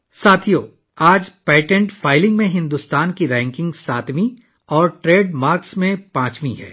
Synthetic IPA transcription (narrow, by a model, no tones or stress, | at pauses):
saːt̪ʰijoː | aːd͡ʒpɛːʈɛ̃ɳʈfaːɪlɪ̃ŋɡmẽɦɪ̃nd̪ʊst̪aːnkiɾɛ̃ːŋkɪ̃ŋɡsaːt̪mĩ | ɔːɾʈɾeːɖmaːɾksmẽpãːt͡ʃmĩɦɛ̰ː